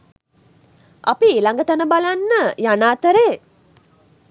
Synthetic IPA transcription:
a̰pielaŋɡət̪anəbalanːəjanaːt̪əɾeː

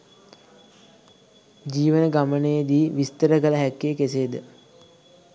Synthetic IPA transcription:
d͡ʒiːʋənəɡamənəjəd̪iːʋist̪əɾəkələɦækːeːkeseːd̪ə

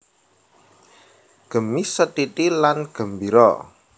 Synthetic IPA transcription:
ɡ̥ə̤misət̪it̪ilanɡ̥ə̤mbiɾɔ̰

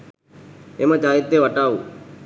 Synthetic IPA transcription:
emãt͡ʃaːit̪ːeːʋəʈaːuː

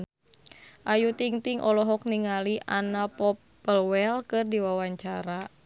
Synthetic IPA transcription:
ʔajut̪iŋt̪iŋʔɔlɔɦɔkniŋaliʔanapɔpː | əlwɛlkɨrdiwawaɲt͡ʃaɾa

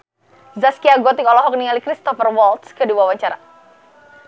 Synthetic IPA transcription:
zaskiaɡɔt̪ikɔlɔɦɔk̚niŋalikɾist̪ɔfərwɔlt̪skədiwawaɲt͡ʃaɾa

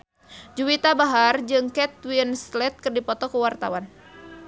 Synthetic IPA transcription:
d͡ʒuwit̪abaɦard͡ʒɨŋkɛt̪̚winslɛt̪̚kɨrdipɔt̪ɔkuwart̪a̰wan

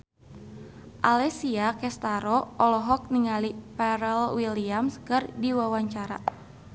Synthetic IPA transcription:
ʔalɛsiakɛst̪aɾɔʔɔlɔɦɔk̚niŋalipɛɾɛlwiliamskɨrdiwawaɲt͡ʃaɾa̰

